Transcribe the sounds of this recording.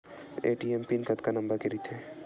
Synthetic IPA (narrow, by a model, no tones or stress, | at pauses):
eːʈiempinkɐt̪kanɐ̃mbəɾkeɾit̪ʰeː